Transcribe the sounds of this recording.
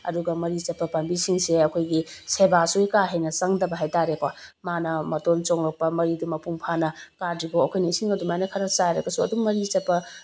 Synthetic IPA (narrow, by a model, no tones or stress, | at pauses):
ɐ̰duɡɐmɐɾit͡ʃɐpːɐpɐmbisiŋseɐkʰojɡisebasujkaɦejnɐsɐŋdɐbɐɦajtaɾekwamanɐmɐtont͡ʃoŋɾɐk̚pɐmɐɾidumɐpuŋpʰanɐkadɾibookʰojnisiŋɐdumajnɐkʰɐɾɐt͡ʃajɾɐɡɐsuɐ̰duŋːɐɾit͡ʃɐt̚pːɐ